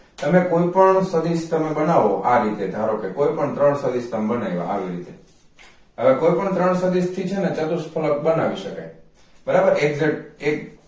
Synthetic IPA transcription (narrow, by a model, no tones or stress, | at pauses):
t̪əmekoipəɳsəd̪ist̪əmebənaʋoʔaɾit̪ed̪ʱaɾokekoipəɳt̪ɾəɳsəd̪ist̪əmbənajʋa̰ʔa̰ʋiɾit̪e | ɦəʋekoipəɳt̪ɾəɳsəd̪ist̪ʰit͡ʃʰenet͡ʃət̪uspʰələk̚bənaʋiʃəka̰j | bəɾabəɾeɡzeʈek